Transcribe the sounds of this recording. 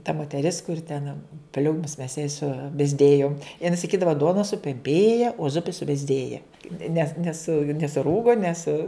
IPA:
tɐ moːtʲɛˈrʲɪs kʊr tʲɛn ˈpʲlʲuːmʊs mʲɛs jɛɪ sʊbʲɛzʲˈdʲeːjoːm jɪˈnɐɪ sɐˈkʲiːdɐʋɐ ˈduɔnɐ sʊpʲɛmʲˈpʲeːjɛ oː ˈzʊpʲɪ sʊbʲɛzʲˈdʲeːjɛ nʲɛs ˈnʲæːsʊ nʲɛsʊˈruːɡoː nʲɛs

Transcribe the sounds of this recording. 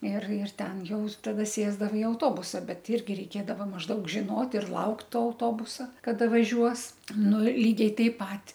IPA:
ɪr ɪr ˈtʲɛn ˈjɛʊ tɐˈdɐ ˈsʲeːzdɐʋɐ ɪ ɐʊˈtoːbʊsɐ ˈbʲɛt ˈɪrʲɡʲɪ rʲɛɪˈkʲeːdɐʋɐ mɐʒˈdɐʊk ʒʲɪˈnoːt ɪr ˈlˠɐʊkt ˈtoː ɐʊˈtoːbʊsɐ kɐˈdɐ ʋɐˈʒʲuɔs ˈnʊ ɪr ˈlʲiːɡʲɛɪ ˈtɐɪp ˈpɐt

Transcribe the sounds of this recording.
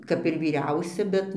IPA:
ˈkɐp ɪr ʋʲiːˈrʲɛʊsʲɛ ˈbʲɛt

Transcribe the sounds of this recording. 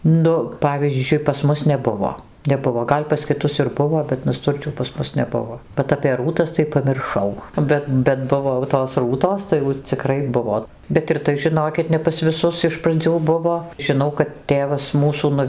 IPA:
ˈnʊ ˈpɑːʋʲiːzʲd͡ʒʲʊɪ pɐs ˈmʊs nʲɛˈbʊʋoː nʲɛˈbʊʋoː ˈɡɐlʲ pɐs kʲɪˈtʊs ɪr ˈbʊʋoː bʲɛt nɐˈstʊrʲt͡ʃʲuː pɐs ˈmʊs nʲɛˈbʊʋoː bʲɛt ɐpʲeː ˈruːtɐs tɐɪ pɐmʲɪrˈʃɐʊ ˈbʲɛt bʲɛt ˈbʊʋoː jɛʊ toːs ˈruːtoːs tɐɪ jɛʊ t͡sʲɪˈkrɐɪ ˈbʊʋoː bʲɛt ɪr ˈtɐɪ ʒʲɪˈnoːkʲɪt nʲɛ pɐs ʋʲɪˈsʊs ɪʃ prɐˈd͡zʲuː ˈbʊʋoː ʒʲɪˈnɐʊ kɐt ˈtʲeːʋɐs ˈmuːsuː nʊ

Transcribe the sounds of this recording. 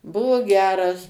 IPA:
ˈbʊʋoː ˈɡʲæːrɐs

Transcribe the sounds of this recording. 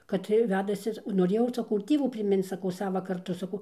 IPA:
kɐt ˈtɐɪ ˈʋʲæːdɐsʲɪ noːˈrʲeːjɛʊ sɐˈkɐʊ ɪr ˈtʲiɛʋuː pʲrʲɪˈmʲɪnt͡s sɐˈkɐʊ ˈsɑːʋɐ kɐrˈtʊ sɐˈkɐʊ

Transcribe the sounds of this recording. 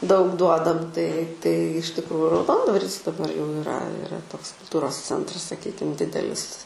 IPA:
dɐʊk ˈduɔdɐm tɐɪ tɐɪ ɪʃ tʲɪkˈruːjʊ rɐʊˈdoːndʋɐrʲɪs dɐˈbɐr jɛʊ ɪˈrɐ ɪˈrɐ ˈtoːks kʊlˠˈtuːroːs ˈt͡sʲɛntrɐs sɐˈkʲiːkʲɪm ˈdʲɪdʲɛlʲɪs

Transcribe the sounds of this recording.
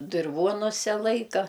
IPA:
dʲɪrˈʋoːnʊsʲɛ ˈlˠɐɪkɐ

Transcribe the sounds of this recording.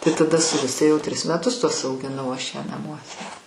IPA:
tɐɪ tɐˈdɐ sʊ ˈɡʊsʲtʲɛ jɛʊ ˈtʲrʲɪs mʲɛˈtʊs tuɔs ɐʊɡʲɪˈnɐʊ ˈɐʃ ˈjæː nɐˈmuɔsʲɛ

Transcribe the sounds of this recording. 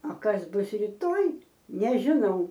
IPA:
oː ˈkɐs ˈbʊs rʲiːˈtoːj nʲɛʒʲɪˈnɐʊ

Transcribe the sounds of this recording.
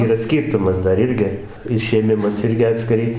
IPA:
ˈiːrɐ ˈsʲkʲiːrtʊmɐs ˈdɐr ˈɪrʲɡʲɪ ɪʃʲeːˈmʲɪmɐs ˈɪrʲɡʲɪ ɐtʲsʲkʲɪˈrɐɪ

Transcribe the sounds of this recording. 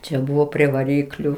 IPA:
t͡ʃʲɛ ˈbʊʋoː pʲrʲiɛ ʋɐˈrʲiːklʲʊ

